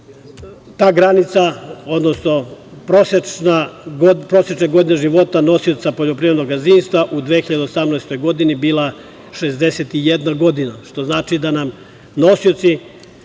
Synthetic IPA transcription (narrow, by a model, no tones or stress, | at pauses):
t̪aːɡɾanit̪sao̞d̪no̞sno̞pɾoset͡ʃnaɡopɾo̞set͡ʃneɡo̞d̪ineʒiʋo̞t̪ano̞siot̪sapo̞ʎo̞pɾiːɾed̪no̞ɡazinst̪ʋaʔud̪ʋexiʎad̪eosamnaest̪o̞jɡo̞d̪inibiːlˠa | ʃezd̪eset̪ijed̪naɡo̞d̪inaʃt̪o̞znaːt͡ʃid̪anam | no̞siot̪si